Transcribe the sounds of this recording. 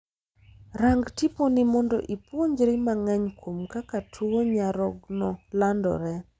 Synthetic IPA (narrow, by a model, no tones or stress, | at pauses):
raŋɡtiponimɔndɔʔipwoɲd͡ʒɾɪmaŋɛɲkwomkakatʰuoɲaɾɔɡnɔlandɔ̰ɾɛ